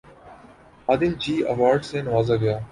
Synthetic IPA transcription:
aːd̪ɪmd͡ʑiːə̰ʋaːɾɖsẽːnəʋaːzaːɡəjaː

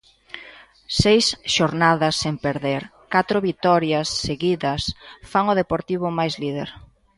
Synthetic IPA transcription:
sejsʃoɾnaðɐsːempeɾðeɾ | kat̪ɾʊβit̪ɔɾjɐsːeɣiðɐsfaŋʊð̞epoɾt̪iβ̞ʊmajzlið̞eɾ

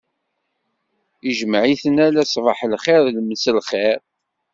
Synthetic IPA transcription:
iʒmʕiθənælæsˤvɑħlχɛɾˤlməsəlχɛɾ

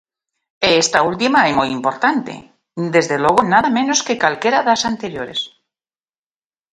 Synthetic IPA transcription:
eest̪ault̪imaemojimpo̞ɾt̪ant̪ḛ | d̪ezðelwo̞ɣonaðamẽnoskekalkeɾaðasant̪eɾjoɾes

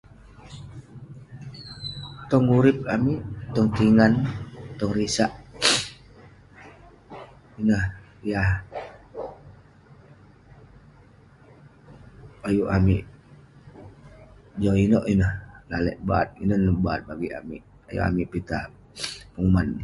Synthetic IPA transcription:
t̪ɔŋuɾip̚amiʔt̪ɔŋt̪iŋant̪ɔŋrisaʔ | inəh | jah | ajuʔamiʔ | d͡ʒoinɔʔinəhlalɛ̰ʔbat̪̚inənbaːt̪̚baɡia̰miʔ | a̰jṵʔa̰miʔpit̪a | pəŋumanː

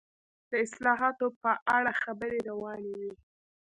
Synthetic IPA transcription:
d̪̥əɪslɑɦɑt̪opəʔaɽaxabəɾeɾawɑnewi

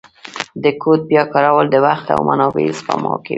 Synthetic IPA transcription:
d̪əkʰot̪̚bjɑkɑɾawəld̪əwaxt̪a̰wmanɑbezpamɑke

